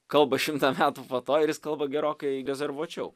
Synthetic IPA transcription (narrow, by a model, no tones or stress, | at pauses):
kɐlˠbɐʃʲɪmt̪ɐmʲæːt̪upɐt̪oːɪɾjɪskɐlˠbɐɡʲɛɾoːkɐɪɾʲɛzʲɛrʋuɔt͡ʃʲɛʊ